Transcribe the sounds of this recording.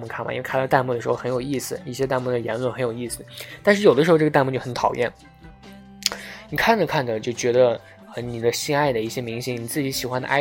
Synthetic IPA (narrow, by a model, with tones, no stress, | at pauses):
mu˥˩kʰa˥˩nmɐ̰˨˩ḭ˥˧k̪ʰt̪a˥˧nmu˥˩d̪əʂɻxo˥˧ʊxə˧˥njo˨˩ʊi˥˩sɹ̩˨˩i˥˩ɕjɛ˥t̪a˥˧nmu˥˩d̪ə˩jɛ˧˥nlwə˥˩nxə˧˥njo˨˩ʊi˥˩sɹ̩˨˩t̪a˥˧nʂɻ̩˥˩jo˨˩ʊdə˦ʂɻ̩˧˥˧ʈ͡ʂət̪a˥˧nmu˥˧t͡ɕjo˥˩xnt̪ʰɑ˨˩ʊjʔɛ̰˥˩n | ni˨˩kʰa˥˩nʈ͡ʂə˩kʰa˥˩nd̪ə˩t͡ɕjo˥˩ʊt͡ɕɥɛ˧˥d̪ə˧ | ə˩ni˨˩d̪ə˦ɕi˥ŋa˥˩ɪd̪ə˩i˥˩ɕjɛ˥mi˧˥ŋɕi˥ŋni˨˩t͡sɹ̩˥˩t͡ɕi˧˥ɕi˨˩xwa˥nd̪ə̰˧ʔa̰˥